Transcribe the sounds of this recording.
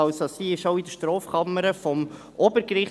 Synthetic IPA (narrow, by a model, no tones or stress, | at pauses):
ɑsosiːɪʃoʊid̪əʃtɾɔːfkʰɑməɾəfɔm | ʔobəɾkɾɪχ